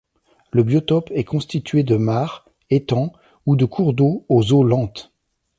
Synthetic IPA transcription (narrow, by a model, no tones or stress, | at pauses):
ləbjɔt̪ɔpɛkɔ̃st̪it̪ɥed̪əmaʁ | et̪ɑ̃ | ud̪əkʰuʁd̪oozolɑ̃t̪